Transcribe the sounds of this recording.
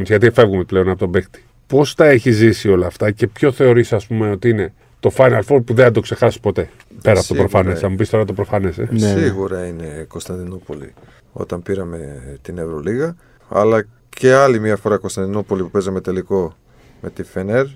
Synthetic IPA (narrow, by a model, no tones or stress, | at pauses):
mizʝɐt̪̬iefe̞vɣumeple̞o̞nɐpo̞t̪o̞bekt̪i̥ | po̞st̪ɐe̞çizisio̞lɐːft̪ɐce̞pço̞θe̞o̞ɾisɐspume̞o̞t̪iine̞ | t̪o̞fajnɐlfod̚puðeθɐd̪o̞kse̞xɐsi̥spo̞t̪e̞ | peɾɐɐpot̪opɾo̞fɐnesɐmupist̪o̞ɾɐt̪o̞pɾo̞fɐnesensiɣuɾɐinekost̪ɐnd̪inopo̞lḭ | o̞̰t̪ɐmpiɾɐmet̪inevɾo̞liɣɐ | ɐ̰lɐ | ce̞ɐlimiɐfo̞ɾɐkost̪ɐnd̪inopo̞lipupezɐmet̪e̞liko̞ | me̞t̪ifeneɾ